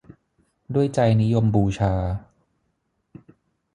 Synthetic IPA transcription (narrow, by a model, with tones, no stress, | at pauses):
du˥˩əjt͡ɕa˧jni˦˥jo˧mbuː˧t͡ɕʰaː˧